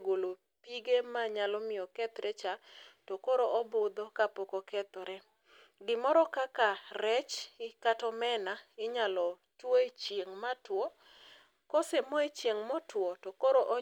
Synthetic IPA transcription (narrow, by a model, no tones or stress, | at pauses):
ɡolo | piɡemaɲalɔmɪɔkɛt̪ɾɛt͡ʃatokoɾoʔɔbʊd̪ɔkapokokɛt̪ɔɾɛ | ɡɪmɔɾɔkakaɾɛt͡ʃɪkatɔmɛnaɪɲalɔ | twoet͡ʃjeŋmatwo | kɔsemɔet͡ʃjeŋmɔtwɔtokoɾoʔo